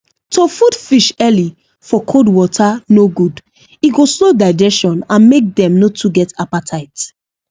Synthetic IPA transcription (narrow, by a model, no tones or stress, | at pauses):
tʰofudfiʃɛli | fɔkʰodwɔtʰanoɡud | iɡoslodaɪd͡ʒɛsʃɔ̃nãnmek̚dɛ̃mnotʰuɡɛtapatʰaɪt